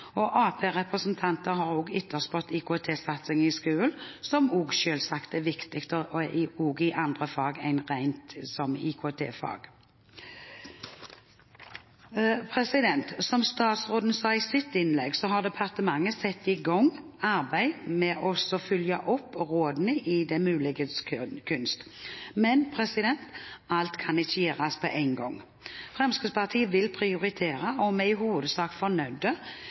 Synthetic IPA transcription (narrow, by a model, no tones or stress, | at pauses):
ɔʔɑːpʰeːʁɛpʁəsnt̪ʰɑnt̪əɦhɑʁoːɡʏt̪ʰːəʁspɔt̪ːɪkʰoɛt̪ʰeːsɑt̪sɪŋɪskʉːəlsɔmuːɡʃøːlsɑkt̪æʋɪkt̪ɪkt̪əoːɡɪʔɑnd̪ʁəfɑːɡæɪnʁæɪnt̪sɔmḭkʰot̪ʰḛːfɑ̰ːɡ̥ | pʰʁɛsɪd̪ɛnt̪sɔmst̪ɑːt̪sʁoːd̪n̩sɑːɪsɪt̪ːɪnlɛɡsɔɦɑd̪ɛpʰɑʁt̪əmɑŋːəsɛt̪ːɪɡɔŋ | ɑʁbæɪmɛːʔɔsɔfʏljɑʔɔpːʁoːd̪nɪʔɪd̪ɛmʉːlɪɡəskʰʉnst̪mɛnpʰʁɛsɪd̪ɛnt̪ɑlt̪kʰɑnɪt͡ʃːəjeːʁɑspʰɔ̰ʔæɪŋɡɔ̰ŋ | fʁɛmskəpʰɑʁt̪ʰiːəʋɪlpʰɾɪʊɾɪt̪ʰeːɾɑɔmɛɪɦuːʋəd̪əsɑːkfɔnœʏd̪ə